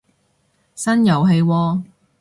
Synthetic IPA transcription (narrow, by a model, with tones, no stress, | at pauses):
sɐ˥njɐ˨wɦe˧jwɔː˧